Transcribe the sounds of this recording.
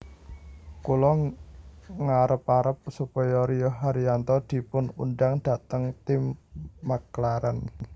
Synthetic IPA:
kulɔ | ŋaɾəpaɾəp̚supɔjɔɾijɔɦaɾiant̪ɔd̪̥i̤pʊnṵnɖaŋd̪̥a̤t̪əŋt̪ɪmːaklaɾan

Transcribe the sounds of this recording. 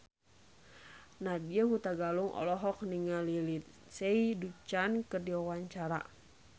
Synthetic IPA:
nadiəɦut̪aɡaluŋʔɔ̰lɔɦɔk̚niŋalilit̪̚ | seidut͡ʃankɨrdiawaɲt͡ʃaɾa̰

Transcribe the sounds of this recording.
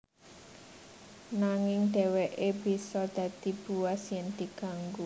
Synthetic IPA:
naŋɪŋd̪̥ɛwɛʔebi̤sɔd̪̥ä̤d̪̥ib̥uwasjɛnd̪iɡ̥aŋɡu

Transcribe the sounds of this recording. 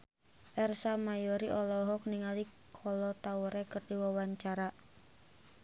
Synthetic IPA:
ʔɛrsamajɔɾiʔɔlɔɦɔk̚niŋalikʰɔlɔt̪auɾɛkərdiwawaɲt͡ʃaɾa

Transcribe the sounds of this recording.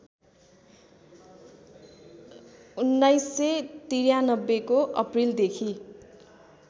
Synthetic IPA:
unːajsːet̪iɾjanʌbːekoʔʌ̰prild̪ekʰi

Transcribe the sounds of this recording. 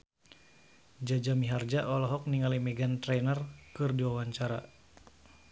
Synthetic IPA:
d͡ʒad͡ʒamiɦard͡ʒaʔɔlɔɦɔk̚niŋalimɛɡant̪ɾɛnərkɨrdiwawaɲt͡ʃaɾa

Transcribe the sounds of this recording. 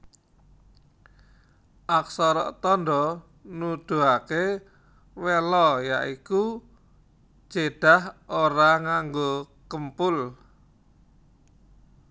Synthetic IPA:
ʔaksɔɾɔ̰ʔt̪ɔnɖɔ | nud̪̥ṳɦake | welɔjaʔiku | d͡ʒ̥eɖ̥a̤hoɾaŋaŋɡo | kəmpʊl

